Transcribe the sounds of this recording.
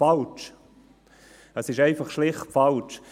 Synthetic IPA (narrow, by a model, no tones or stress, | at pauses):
alt͡ʃ | əsɪʃɛɪfɑχʃlɪχtfɑlt͡ʃ